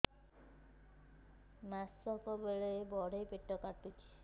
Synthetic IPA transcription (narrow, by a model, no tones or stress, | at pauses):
masɔkɔbeɭebɔɽ̤ejpeʈːɔkat̪ut͡ʃʰi̥